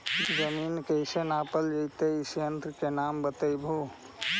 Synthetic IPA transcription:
d͡ʒəminkəjsenapəld͡ʒəjt̪eisjənt̪ɾkenambət̪əjbʱu

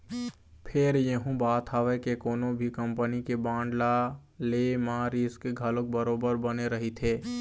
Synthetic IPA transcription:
pʰɪɾjəɦũbaːt̪aːʋekekoːnõbʱikə̃mpənikebãːɳɖla | lemaːɾiskeɡʱɐlõk̚bəɾoːbəɾbəneɾəɦit̪ʰeː

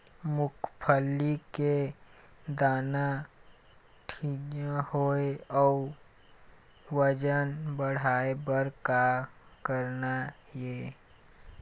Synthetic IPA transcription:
mʊkʰpʰəlːike | d̪aːna | ʈʰiːnahoeɔː | ʋəd͡ʒənbəɽ̤aːebəɾkakəɾna | jeː

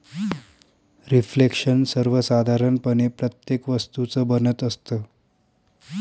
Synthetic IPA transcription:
ɾiflekʂənsəɾʋəsad̪ʱaɾənpənepɾət̪jekʋəst̪ut͡səbənət̪əst̪əː

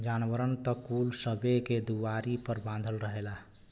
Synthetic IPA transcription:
d͡ʒanbəɾənt̪əkulsəbeked̪uwaɾipəɾbãnd̪ʱəlɾəɦela

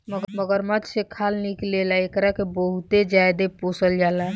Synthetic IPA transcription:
məɡməɡəɾməd͡ʒsekʰalniklelaekɾakebəɦut̪ed͡ʒajd̪eposəld͡ʒala

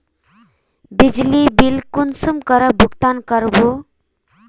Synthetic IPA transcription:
bid͡zlibilkunsumkʌɾʌbʱuɡt̪ankʌɾbo

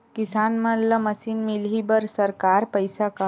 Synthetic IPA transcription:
kisanməlːəməsinmilɦibəɾsəɾkaɾpəjsaka

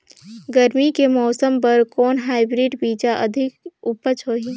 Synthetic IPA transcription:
ɡəɾmikemɔːsəmpɐɾkɔːnɦaːɪbɾiːɖbiːt͡ʃaʔɐd̪ʱɪkʊpət͡ʃɦoːɦiː

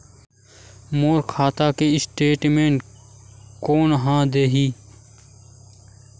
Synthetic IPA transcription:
moːɾkʰaːt̪aːkeɪsʈeːʈmẽːɳʈ | koːnɦãːd̪eːɦiː

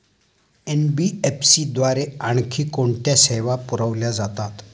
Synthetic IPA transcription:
enbiepʰsiːd̪ʋaɾeaɳkʰiːkoɳʈ̪jaseʋapuɾəʋljad͡zat̪at̪

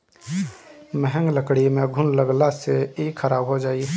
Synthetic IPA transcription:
məɦə̃ŋɡləkɽimẽɡʱʊnləɡlaseikʰəɾaːbɦod͡ʒaːi

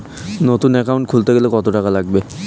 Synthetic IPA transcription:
not̪unɛkaʊnʈ̚kʰult̪aɡelekɔt̪oʈakalaɡ̚bɛ

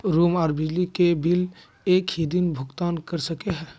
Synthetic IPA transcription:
ɾumaːɾbid͡ʒlikebil | ekhid̪inbʱʊɡt̪ankəɾsəkeɦɛ

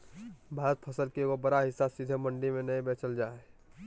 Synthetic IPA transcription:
bʱaːɾət̪̚pʰɐsəlkeobɐɾaɦɪsasid̪ʱemə̃ɳɖimẽnɐẽbeːt͡ʃəld͡ʒaːe

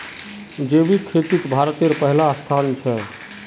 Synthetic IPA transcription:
d͡ʒeːbikʰet̪it̪bʱaɾt̪eɾpəɦɪlast̪ʰaːnt͡ʃʰɛ

